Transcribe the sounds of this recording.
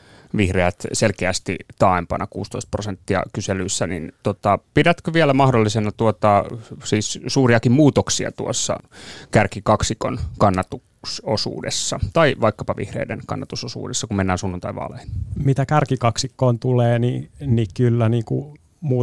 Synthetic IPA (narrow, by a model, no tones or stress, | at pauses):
ʋihreæt̪selkeæst̪it̪ɑempɑnʔɑkuːst̪oist̪̚prosent̪ːiɑ̰kyselyisːænḭnt̪ot̪ɑpidæt̪køʋiælæmɑhdolːisenɑt̪uot̪ɑsiːssuːriɑkimmuːt̪oksiɑ̰t̪uosːɑ̰kærkikɑksiko̰nkɑnːɑt̪u | sosṵːdḛsːɑt̪ɑiʋɑikːɑpɑʋḭhrḛidḛnkɑ̰nːɑt̪usosṵːdesːɑkummenːæːnsunːunt̪ɑiʋɑ̰linmit̪ækærkikɑksikːoːnt̪uleːninikylːæniːkṵ | muː